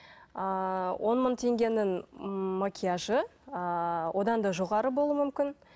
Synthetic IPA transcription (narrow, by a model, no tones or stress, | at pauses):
əwʔo̞nmənt̪ʰe̞ŋɡʲe̞nɪŋmakʲijaʒəəwʔo̞d̪ɑnd̪ɑʒo̞ʁɑɾəbolˠuwumʏmkʲɪn